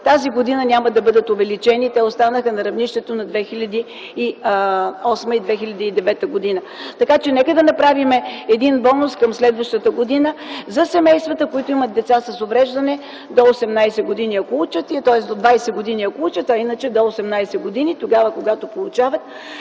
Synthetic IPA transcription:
t̪aziɡod̪inənʲaməd̪ɐbɤd̪ət̪ovɛlit͡ʃɛnit̪ɛost̪anəxənɐɾɐvniʃt̪ɛt̪onɐd̪vɛxilʲɐd̪iː | ɔsməid̪vɛxilʲɐd̪iːd̪ɛvɛt̪əɡod̪inə | t̪ɐkat͡ʃɛnɛkəd̪ɐnɐpɾavimɛɛd̪inbɔnoskɐmslɛd̪vəʃt̪ət̪əɡod̪inəzɐsɛmɛjst̪vɐt̪əkoit̪oimət̪̚d̪ɛt̪sasəsovɾɛʒd̪ɐnɛ | d̪ɔːsɛmnajsɛɡod̪inʲiɐkʊut͡ʃət̪it̪ɔɛsd̪od̪vajsɛɡod̪iniɐkout͡ʃət̪ɐinət͡ʃɛd̪ɔosɛmnajsɛɡod̪init̪oɡavəkoɡat̪opolˠut͡ʃavət̪

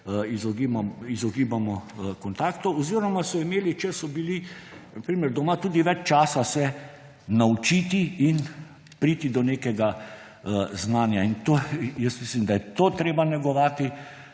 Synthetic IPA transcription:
izɔɡiaizɔɡiːbamɔkɔnt̪aːkt̪ɔɔziːɾɔmasɔimeːlit͡ʃɛsɔbilinapɾiːmɛɾd̪ɔmaːt̪uːd̪iʋɛt͡ʃt͡ʃaːsasɛ | naut͡ʃiːt̪iin | pɾiːt̪id̪ɔneːkɛɡa | znaːnjaint̪oːjəst̪mislimd̪ajɛt̪oːt̪ɾeːbanɛɡɔʋaːt̪i

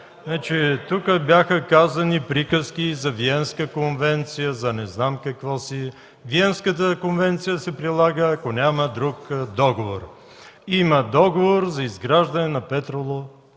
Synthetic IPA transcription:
at͡ʃɛt̪ukəbjaxəkazɐnipɾikəskizɐviɛnskəkonvɛnt̪sijəzɐnɛznamkɐkvɔsi | viɛnskət̪̬əkonvɛnt̪sijəsɛpɾilˠaɡəːkonʲaməd̪ɾukd̪ɔɡovoɾ | iməd̪ɔɡovoɾzɐizɡɾaʒd̪ɐnɛnɐpɛt̪ɾolˠo

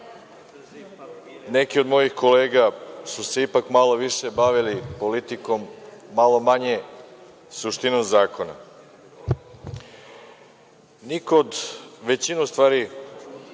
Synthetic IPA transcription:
ne̞kio̞d̪mo̞jixko̞leːɡasuse̞ipakmalo̞ʋiʃe̞baʋilipo̞lit̪iko̞mːalo̞maɲe | suʃt̪inozaːko̞na̰ | nikod̪ʋe̞t͡ɕinust̪vʋaːɾi

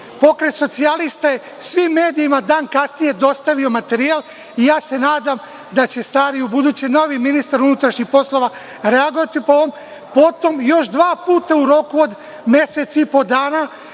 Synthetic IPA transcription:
po̞kɾe̞t̪so̞t̪sialist̪aje̞ | sʋimːe̞ːd̪ijimad̪aːnkasnije̞d̪o̞st̪aʋio̞mat̪e̞ɾial | ijaːse̞naːd̪am | d̪at͡ɕe̞st̪aːɾiubud̪uːt͡ɕeno̞ʋiminist̪aɾunut̪ɾaʃɲixpo̞slˠo̞ʋa | ɾeaɡoʋat̪ipooʋom | po̞t̪o̞mjo̞ʃd̪ʋaːpuːt̪auɾo̞kuo̞d̪ | mese̞t̪sipo̞d̪aːna

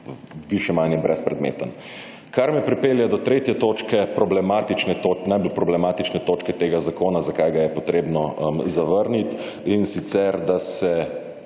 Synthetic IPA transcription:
ʋiʃjɛmanjɛbɾɛspɾɛd̪mḛːt̪ən | kaɾmɛpɾipeːljad̪ɔt̪ɾeːt̪jɛt̪oːt͡ʃkɛpɾɔblɛmat̪it͡ʃnɛt̪onajbolpɾɔblɛmaːt̪it͡ʃnɛt̪oːt͡ʃkɛt̪eːɡazakoːnazakajɡajɛpɔt̪ɾeːbnɔzaʋəɾnit̪ | insit̪sɛɾd̪asɛ

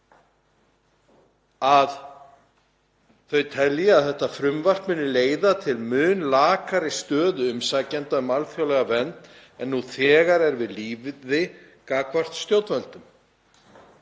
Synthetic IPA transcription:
að | θœɥt̪ʰɛljaðθɛht̪afɾʏmvar̥kmʏnːʏleːjðat̪ʰɪlmʏːnlaːkaɾɪst̪œːðʏʏmsaːcɛnt̪aʏmalfjɔwlɛɣavɛnt̪ | ɛnːuθɛːɣaɾɛɾvɪðliːvðɪ | kaːkvar̥t̪st̪jowt̪vœlt̪ʏm

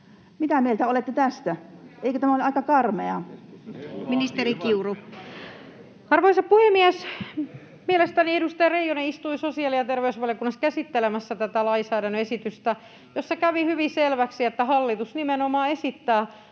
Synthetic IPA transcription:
mit̪æmelt̪æolet̪ːet̪æst̪æeˑikøt̪æmæolʲɑˑikɑkɑrmeɑ | minist̪eɾikiuru | ɑrʋoisɑppuhemies | mielest̪ænieɾust̪ɑjɑreijoneist̪uisosiɑːlijɑt̪erʋeysʋɑljokunːɑskæsit̪ːelemæsːæt̪æt̪ælɑisæːdænːøesit̪yst̪æ | josːɑkæʋihyʋiselʋæksiet̪ːæhɑlːit̪usnimenomɑːesit̪ːæː

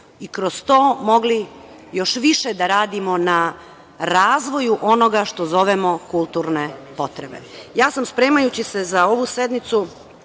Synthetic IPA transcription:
ikɾost̪oːmo̞ɡli | jo̞ʃʋiʃed̪aɾaːd̪imo̞na | ɾaːzʋo̞juʔo̞no̞ɡaʃt̪o̞zo̞ʋemo̞kulˠt̪uːɾnepo̞t̪ɾebḛjaːsamspɾe̞ːmajut͡ɕise̞zao̞ʋuse̞d̪nit̪su

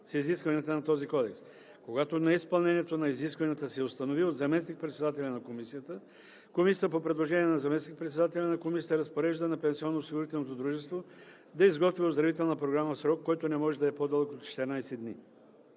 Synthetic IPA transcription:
siziskvɐnʲɛt̪ənɐt̪ɔzikɔd̪ɛks | koɡat̪onaispɐlˠnɛniɛt̪onɐiziskvɐnʲɐt̪əsɛost̪ɐnoviod̪zɐmɛnik̚pɾɛt̪sɛd̪at̪ɛlʲɛnɐkomisijət̪ə | komis̬ʲiət̪əpopɾɛd̪lˠoʒɛnʲiɛnɐzɐmɛsnik̚pɾɛt̪sɛd̪at̪ɛlʲɐnɐkomisiəɾɐspoɾɛʒd̪ənɐpɛnsiɔnːosiɡʊɾit̪ɛlˠnot̪od̪ɾuʒɛst̪vo | d̪ɐizɡɔt̪viozd̪ɾɐvit̪ɛlˠnɐpɾoɡɾaməsɾɔkːɔjt̪onɛmɔʒɛd̪ɐɛpod̪əlˠəkot̪t͡ʃɛ̥t̪ɛɾnajsɛd̪nḭ

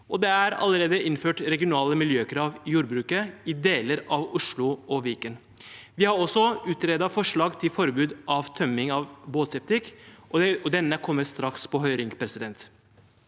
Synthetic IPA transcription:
ʔɔd̪ɛæɾɑ̰ləɾeːd̪əʔɪnføːʈɾɛɡɪʊnɑːləmɪljøːkʰɾɑːʋɪjuːɾbɾʉːkəɪd̪eːləɾɑʋʊʂɭʊʔɔʋiːkən | ʋɪhɑɾɔsːɔʉːt̪ɾeːd̪ɑfɔʂɭɑːɡt̪ʰɪlfɔɾbʉːd̪ʔɑʋt̪ʰœmːɪŋɑʋboːt̪sɛp̚t̪ʰɪkːɔd̪ɛnːəkʰɔmːəst̪ɾɑkspʰɔɦœʏɾɪŋpʰɾɛsɪd̪ɛnt̪

